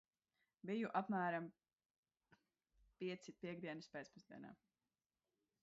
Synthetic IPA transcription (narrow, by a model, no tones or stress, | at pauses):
bijuʔapmæːɾam | piɛt̪sipʲiɛɡd̪iɛnɨspʲɛt̪spuzd̪ḭɛna̰ː